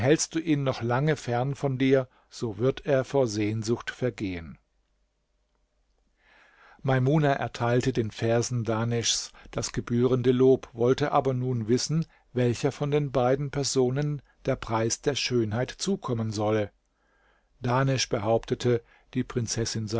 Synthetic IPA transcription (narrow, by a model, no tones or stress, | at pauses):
hɛlst̚d̥uːʔiːnːɔχlaŋəfɛɐnfɔndiːɐ | z̥oːvɪɐteːɐfoːɐzeːnzʊxtfɛɐɡeːən | maɪmuːnaʔɛ̰ɐtʰaɪltədeːnfɛɐzn̩daːnɛʃsd̥asɡ̥əbyːʁ̞əndəloːpvɔltəʔaːbɐnuːnvɪsn̩ | vɛlçɐfɔndeːnbaɪdn̩pʰɛɐzoːnən | d̥eːɐpʁ̥aɪsd̥eːɐʃøːnhaɪtt͡suːkʰɔmənzɔlə | d̥aːnɛʃb̥əɦaʊptʰətʰə | d̥iːpʁ̥ɪnt͡sɛsɪnza